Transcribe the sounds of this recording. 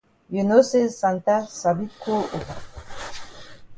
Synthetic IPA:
junosesant̪asabikou

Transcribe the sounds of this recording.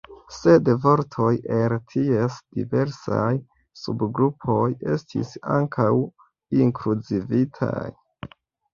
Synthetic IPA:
se̞dvo̞ɾtʰo̞jeltʰiesd̥ive̞ɾsa̰j | subɡɾupʰo̞je̞stʰḭsaŋkʰaw | iŋkɾud͡zivitʰa̰j

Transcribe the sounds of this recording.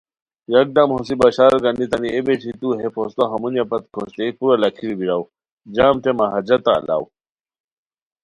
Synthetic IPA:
jɐk̚ɖamɦosibɐɕaːɾɡɐnit̪ɐniebet͡ɕʰit̪uɦepʰost̪oɦɐmunjɐpɐt̪kʰoɕt̪epuɾɐlɐkʰiɾbiɾaw | d͡ʑaːmʈemaɦɐd͡ʑɐt̪a̰ːla̰w

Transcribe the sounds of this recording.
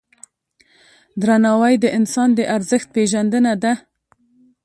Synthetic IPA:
d̪ɾanɑwajd̪əʔɪnsɑnd̪əʔaɾzəxt̪̚peʒand̪ənad̪a

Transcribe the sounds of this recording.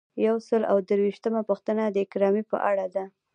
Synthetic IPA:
jawsəla̰wd̪əɾwiʃt̪əmapəxt̪ənad̪əɪkɾɑmipə̰ʔaɽad̪a

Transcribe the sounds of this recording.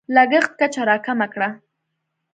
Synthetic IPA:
laɡəχt̪̚kat͡ʃaɾɑkamakɽa

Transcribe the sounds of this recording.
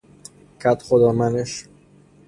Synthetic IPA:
kʰæt̪xod̪ɒːmæneʃ

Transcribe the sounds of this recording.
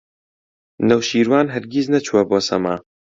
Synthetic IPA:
nɐwʃiːɾwaːnɦɐɾɡiznɐt͡ʃʰuwɐbosɐ̰ma̰ː

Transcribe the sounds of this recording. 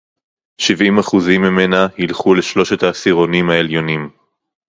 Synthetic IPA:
ʃivimaχuzimːimenahilχule̞ʃlo̞ʃe̞thaːsiʁo̞nimhae̞ljo̞nim

